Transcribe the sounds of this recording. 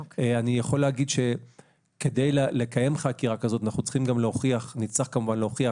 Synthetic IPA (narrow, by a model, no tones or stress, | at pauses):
anijaχo̞leːɡid̪ʃe̞ | ke̞d̪ejlele̞kaje̞mχakiʁakazo̞t̪anaχnut͡sχimɡamleoχiaχnit͡slaχkamuvanleoχia